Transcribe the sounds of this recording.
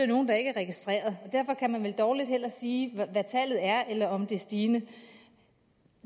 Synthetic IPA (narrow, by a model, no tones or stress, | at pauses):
eno̝ːn̩d̥ɑ̈e̝ɡ̥əæɐʁɛɡ̥isd̥ʁɛ̰ːɐð̞ˠɒ̽d̥æɐfɒ̽kʰæmænʋeld̥ɒːlid̥hel̰ɐsiːʋæt͡sʰɛ̰ːlð̞̩ˠæɐelɐɒ̽md̥e̝sd̥iːnə